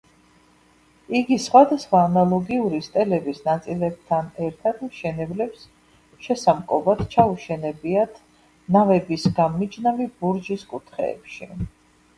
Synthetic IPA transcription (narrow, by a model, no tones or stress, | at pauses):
iɡisχwad̪asχwaːnalˠɔɡiuɾist̪ʼɛlɛbisnat̪sʼilɛb̚t̪ʰanɛɾt̪ʰat̪mʃɛnɛblɛps | ʃɛsamkʼɔvad̪t͡ʃʰauʃɛnɛbiat̪ʰ | navɛbisɡanmid͡ʒnavibuɾd͡ʒiskʼut̪ʰχɛ̰ːpʃi